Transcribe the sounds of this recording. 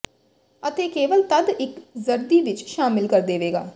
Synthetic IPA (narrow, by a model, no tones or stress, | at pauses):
ət̪eːkeːʋəlt̪əd̪ɪkzəɾd̪iːʋɪt͡ʃʃaːmɪlkəɾd̪eːʋeːɡa̰ː